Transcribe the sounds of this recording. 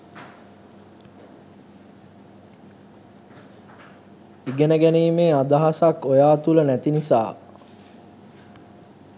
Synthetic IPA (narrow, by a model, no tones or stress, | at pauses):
iɡenəɡæniːmeːad̪aɦasakojaːt̪ulənæt̪inisa̰ː